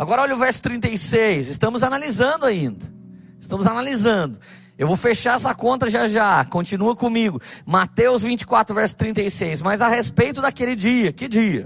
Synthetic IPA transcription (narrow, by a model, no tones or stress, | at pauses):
aɡɔɾɐɔlʎɐʊvɛɾsʊ̥t̪ɾĩnt̪ejsejsɪst̪ɐ̃mʊzanalizɐ̃nd̪ʊaĩnd̪ɐ | ɪst̪ɐ̃mʊzanalizɐ̃nd̪ʊ | ewvowfeʃaɛsɐkõnt̪ɐʒaʒakõt͡ʃĩnuɐkõmiɡʊmat̪ewzvĩnt͡ʃɪ̥kwat̪ɾʊvɛɾsʊ̥t̪ɾĩnt̪ejsejzmɐjzahespejt̪ʊd̪akelɪd͡ʒiɐkɪd͡ʒiɐ